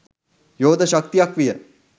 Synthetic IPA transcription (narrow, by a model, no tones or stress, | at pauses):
joːd̪ʱɐʃɐk̚t̪ijakʋijə